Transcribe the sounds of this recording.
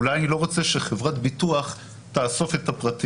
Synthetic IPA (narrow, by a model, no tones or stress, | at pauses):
lajanilo̞ʁot͡seʃeχevʁatbituaχ | taːso̞fetapʁati